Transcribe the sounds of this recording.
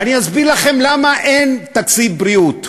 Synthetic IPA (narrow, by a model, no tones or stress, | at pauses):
aniazbiʁlaχe̞mlamaʔent̪akt͡sit̚bɾiut